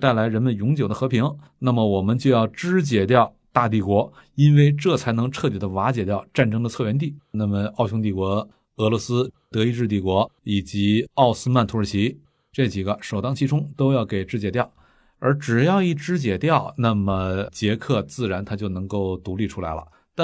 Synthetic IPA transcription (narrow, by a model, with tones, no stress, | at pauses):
t̪a˥˩ɪla˧˥ɪɻə˧˥nmə˧njʊ˧˥ŋt͡ɕjʊd̪ə˦xɤ˧˥pʰi˧˥ŋ | na˥˩mə˩wɔ˨˩mə˦nt͡ɕjo˥˧ʊjɑ˥˩ʊʈ͡ʂɻ̩˥t͡ɕjɛ˨˩t̪jɑ˥˧ʊ | t̪a˥˧t̪̬i˥˩kwɔ˧˥ | i˥nwe˥˧ɪʈ͡ʂɤ˥˩t͡sʰa˧˥ɪnɤ˧˥ŋʈ͡ʂʰɤ˥˩t̪i˨˩d̪ə˦wa˧˥t͡ɕjɛ˨˩t̪jɑ˥˧ʊʈ͡ʂa˥˩nʈ͡ʂɤ˥ŋd̪ə˨˧t͡sʰɤ˥˩ɥɛ˧˥nt̪̬i˥˩na˥˩mə˩ɑ˥˩ʊɕjʊ˥ŋt̪i˥˩kwɔ˧˥ | ɤ˧˥lwɔ˧˥sɹ̩˥t̪ɤ˧˥i˧˥ʈ͡ʂɻ̩˥˧t̪̬i˥˩kwɔ˧˥i˨˩t͡ɕi˧˥ɑ˥˩ʊsɹ̩˥ma˥˩nt̪ʰu˧˥ə˞˧˥t͡ɕʰi˧˥ | ʈ͡ʂɤ˥˩t͡ɕi˨˩ɡə˦ʂo˨˩ʊt̪ɑ˥ŋt͡ɕʰi˥ʈ͡ʂʰʊ˥ŋt̪o˥ʊjɑ˥˩ʊke˨˩ɪʈ͡ʂɻ̩˥t͡ɕjɛ˧˥t̪jɑ˥˩ʊ | ə˞˧˥ʈ͡ʂɻ̩˨˩jɑ˥˧ʊi˥˩ʈ͡ʂɻ̩˥t͡ɕjɛ˨˩t̪jɑ˥˩ʊna˥˩mə˩t͡ɕjɛ˧˥kʰɤ˥˧t͡sɹ̩˥˩ɻa˧˥nt̪ʰa˥t͡ɕjo˥˩ʊnɤ˧˥ŋko˥˩ʊt̪u˧˥li˥˩ʈ͡ʂʰu˥la˧˥ɪlə̰˧ | t̪a˥˧